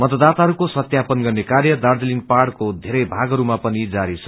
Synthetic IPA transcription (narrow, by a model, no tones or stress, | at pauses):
mʌt̪ʌd̪at̪aɦʌɾukosʌt̪japʌnɡʌrnekarjʌd̪ard͡ziliŋɡpaɽkod̪ʱeɾʌjbʱaɡʌɾumapʌnid͡zaɾit͡sʰʌ